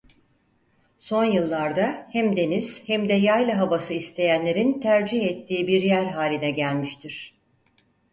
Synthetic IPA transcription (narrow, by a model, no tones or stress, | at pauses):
so̞njɯlˠːaɾd̪ahæmd̪e̞niz̥hɛmd̪ɛjajlˠaɦavasɯist̪ʰe̞jænlʲe̞ɾint̪ʰæɾd͡ʒihɛt̪ʰːiːbiɾjæɾɦaːlʲinɛɟælʲmiʃt̪ʰiɾ̥